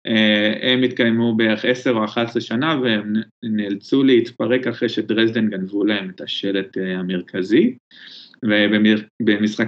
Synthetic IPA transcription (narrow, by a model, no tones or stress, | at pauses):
ʔehemit̪kajmubeeχe̞seʁoaχat̪leʃanaveemnelt͡suleit̪paʁe̞kaχʁejʃedʁezd̪enɡanvulahe̞me̞t̪haʃe̞let̪ehameʁkʰazi | vebebemisχa